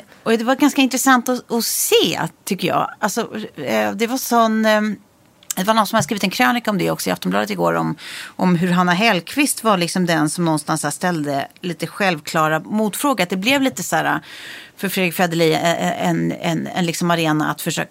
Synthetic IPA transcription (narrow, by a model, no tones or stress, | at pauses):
ɔd̪ɛvaɾɡanskaɪnt̪ɾɛsant̪ɔɔseːt̪ʰʏkːəjɑ̰ːalsɔɛd̪ɛvaʂɔnː | d̪ɛvanɔt̪sɔmhad̪əskɾiːvɪt̪ɛnkʰɾøːnɪkaɔmd̪ɛɔksɔɪa̰ft̪ɔmblɑ̰ːd̪ət̪ɪɡo̰ːɾɔ̰mʔɔmɦɵɾɦanːaɦɛlkʰvɪst̪vaɭɪksɔmd̪ɛnsɔmnɔnst̪ansæːʂt̪ɛld̪əliːt̪əɧɛlvkʰlɑːɾamuːt̪fɾoːɡaɾat̪̚d̪ɛblɛvliːt̪əsæːɾa̰fœɾfɾed̪ɾɪkfɾɛd̪əlḭɛɛɛ̰nɛ̰nɛ̰nlɪksɔmaɾeːna̰a̰t̪fœʂø̰ːk